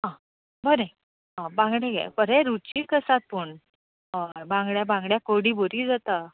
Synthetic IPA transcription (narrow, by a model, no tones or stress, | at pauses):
ɦã | bəɾẽ | ɦãbãŋɡɽẽɡa̰pəɾɛ̃ɾut͡ɕiːkəsat̪̚pəɳ | əbãŋɡɭjabãŋɡɽjakoɽiboɾid͡zat̪a